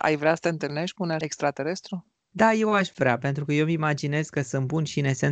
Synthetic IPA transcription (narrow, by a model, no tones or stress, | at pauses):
ʔa̰jvɾeasə̥t̪eɨnt̪ɨlne̞ʃt̪̚ʲkunekst̪ɾat̪e̞ɾe̞st̪ɾu | d̪aje̞waʃvɾeape̞nt̪ɾukəje̞wmimad͡ʒine̞zkəsɨnt̪̚bunʃiɨne̞se̞n